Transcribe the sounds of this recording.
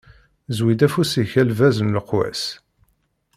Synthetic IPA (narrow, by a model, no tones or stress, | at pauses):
zwid̪æfusiçælvæzənləqwæ̰s